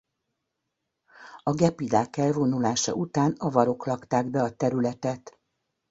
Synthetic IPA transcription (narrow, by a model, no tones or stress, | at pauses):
ɒɡɛpid̪aːkɛlvonulaːʃɒ̰ʔut̪aːnɒvɒɾo̞klɒkt̪aːɡbɛɒt̪ɛɾylɛt̪ɛt̪